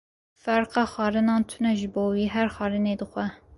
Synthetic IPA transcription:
fæɾqɑːxɑːɾɨnɑːnt̪ʰʊnɛʒɨboːwiːɦæɾxɑːɾɨneːd̪ɨxʷɛ

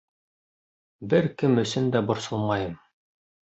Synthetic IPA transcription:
bɘɾkɘmɵ̆sɘnd̪æbŏɾsɤlˠmɑjɤm

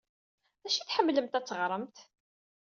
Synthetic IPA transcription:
æʃiθħəmːləmt̪æt͡sːəʁɾˤəmt̪

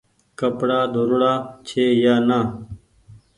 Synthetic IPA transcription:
kəpɽaːd̪ʱoɾuɽaːt͡ɕʰeːjaːnaː

